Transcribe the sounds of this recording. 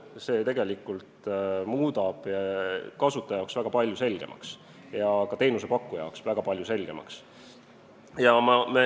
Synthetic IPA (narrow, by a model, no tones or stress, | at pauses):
se̞ːt̪e̞ɡe̞likːult̪muːd̪ɑb̥ɑkɑsut̪ːˑɑjɑoksvæɡ̥ɑpɑlʲjuse̞lɡ̥e̞̰mʔɑ̰ks | jɑkɑt̪e̞ːnuse̞pɑkːˑujɑ̰oksvæɡ̥ɑpɑlʲjuse̞lɡ̥e̞mɑ̰ks | jɑmɑme